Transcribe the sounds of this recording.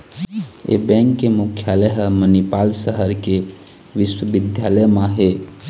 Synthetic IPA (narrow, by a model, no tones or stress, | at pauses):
ḛbɛ̃ːŋkːemukʰjaːləɦəmənipaːlsəɦəɾke | ʋɪswəʋɪd̪ʱjaləjmãɦeː